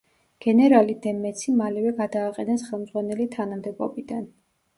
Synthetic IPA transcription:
ɡ̥ɛnɛɾalid̪ɛmɛt̪sʰimalɛvɛɡad̪aːqʼɛnɛsχɛlˠmd̪zʁwanɛlit̪ʰanamd̪ɛbɔ̰bid̪an

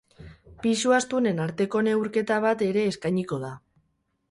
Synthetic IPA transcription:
pisuast̪une̞naɾt̪e̞ko̞ne̞wɾke̞t̪aβ̞at̪e̞ɾe̞ːskajɲiko̞ð̞a

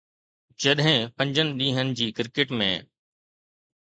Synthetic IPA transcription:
d͡ʑɐɗɦɪ̃pɐ̃ɲd͡ʑənɪ̆ɗĩːɦənɪ̆d͡ʑiːkɪɾkeʈmḛ̃ː

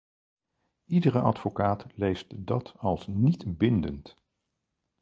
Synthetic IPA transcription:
idərəɑ̰tfokaːtlejstdɑtɑlˠsnitbɪndənt

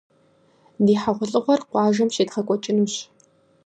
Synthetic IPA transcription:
diːħaʁʷʊɬʼɨʁʷɔrqʷɑːʒɐmʃeːtχɐkʷʼɔt͡ʃʼɪnuːɕ

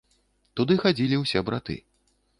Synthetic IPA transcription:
t̪ud̪ɨxad͡zʲilʲiwsʲɛbɾat̪ɨ̰

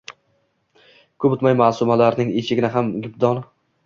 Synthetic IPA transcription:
kʰɵbʊt̪majmasʊmalaɾnɪŋet͡ʃʰɪɡʲɪnɪɦamɡʲɪb̚d̪ɒnɪ

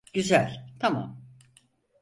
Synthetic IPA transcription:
ɟ̥yzælʲt̪ʰama̰m

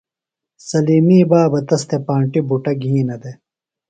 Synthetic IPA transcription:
sɐliːmiːbaːbɐt̪ɐst̪epãːɳʈibuʈɐɡʱiːnɐd̪e

